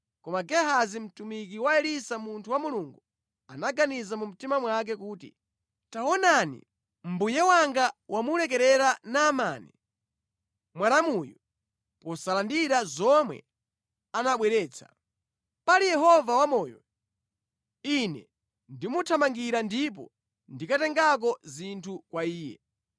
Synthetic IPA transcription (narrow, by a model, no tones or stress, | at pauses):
kɔmaɡɛɦazim̩tumik̬iwaɛlisamuntʰuwamuluŋɡu | anaɡanizamum̩timamwak̬ɛkuːtḭ | taɔnanḭ | m̩bujɛwaŋɡawamulɛk̬ɛɾɛɾanaːma̰ːni | mwanamujɔ | pɔsalandiɾazɔmwɛ̰ | anaɓwɛɾɛːt͡sʰa̰ | palijɛɦɔvawamɔːjɔ̰ | inɛ̰ | ndimutʰamaŋɡiɾandip̬ɔ̰ | ndikatɛŋɡak̬ɔzintʰukwaiːjɛ̰